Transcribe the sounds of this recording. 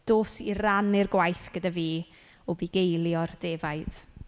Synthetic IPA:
d̥oːsiranɪrɡwajθɡ̥ədaviː | ɔbiɡejlˠjɔrd̥eːvajd̥

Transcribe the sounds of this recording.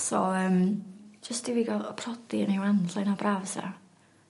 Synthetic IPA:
sɔ̰əːmd͡ʒəstd̥iviːɡalpʰrɔd̥iənewanɮajnabraːvsa̰

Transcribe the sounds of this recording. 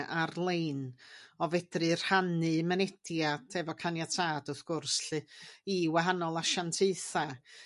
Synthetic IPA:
ʔarlˠejnɔvɛd̥rɨr̥hanɨmɛnɛd̥jadʰɛvɔkʰanjatʰaːd̥ʊθɡ̥ʊrsɬɨiwaɦanɔlˠaʃantʰeɨθa

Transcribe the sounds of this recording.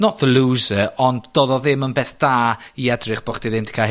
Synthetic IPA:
nɔʔðəlˠuːzəɔndd̥ɔðɔðɪmənbeːθd̥aːiɛdrɪχb̥ɔχd̥iðɪmdi̥kʰa

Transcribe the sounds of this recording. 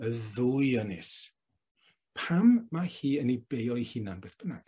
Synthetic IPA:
əðʊjənɪs | pʰamːahiːənib̥ejɔihɪnanbeθb̥əna

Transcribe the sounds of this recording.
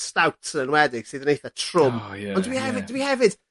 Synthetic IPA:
stawtʰənənwɛdɪɡ̥siðənejθətʰrʊmɔndəbihɛvɪddəbihɛvɪd̥

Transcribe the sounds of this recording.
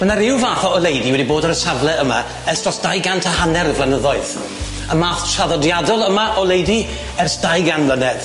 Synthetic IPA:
mənaɾɪwvaːθɔɔlˠejdiwɛdiboːdaɾəsavlˠɛəma̰ | ɛrstrɔsd̥ajɡantʰahanɛrvlanəðɔɨð | əmaːθt͡ʃʰaðɔdjadɔlˠəmaʔɔlejdi | ɛrsd̥ajɡanvlənɛð̥

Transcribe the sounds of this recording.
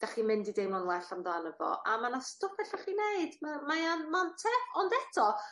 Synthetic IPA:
d̥aχiːmɪndidejmɔnwɛɬamdanəvɔ̰ʔamanastʊpʰɛɬaχinejdmamajanmantʰɛθɔndɛtʰɔ

